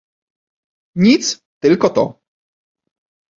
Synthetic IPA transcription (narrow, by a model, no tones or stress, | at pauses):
ɲit̪s | t̪ɘlkɔt̪ɔ̰